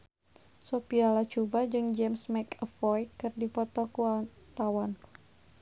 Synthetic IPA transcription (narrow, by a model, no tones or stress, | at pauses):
sopialat͡ʃubad͡ʒɨŋd͡ʒɛmsmɛkɔfɔjkɨrdipɔt̪ɔkuat̪awan